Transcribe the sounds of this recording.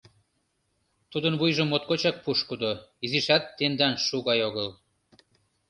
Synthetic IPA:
t̪ud̪ənβujʒə̆mot̪̚kot͡ɕɑk̚puʃkud̪oiziʃɑt̪ːend̪ɑnʃuɣɑjoɣɤl

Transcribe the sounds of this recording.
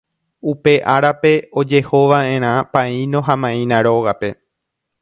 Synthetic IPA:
upe̞ʔaɾape̞od͡ʒe̞ho̞ʋaʔẽ̞ɾ̃ãpãĩnõɦãmãĩnãɾo̞ɣape̞

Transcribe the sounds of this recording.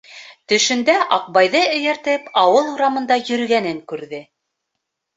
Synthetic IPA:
t̪ɵ̆ʃɵ̆nd̪æʔɑq̚bɑjðɤɵ̆jæɾt̪ɘpɑwɤlˠuɾɑmɤ̆nd̪ɑjɵ̆ɾɡænɘŋkʉɾðɘ

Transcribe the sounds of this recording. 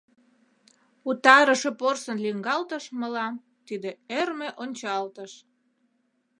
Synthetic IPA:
ut̪ɑɾəʃeporsənliŋɡɑlt̪əʃməlɑm | t̪id̪eermeʔonʲt͡ɕɑlt̪əʃ

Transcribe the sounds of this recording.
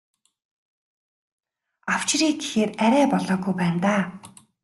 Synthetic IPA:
aw̥t͡ɕriːɡe̥xeːræɾʲæːpɔɮɔːɡujpæːnt̪aː

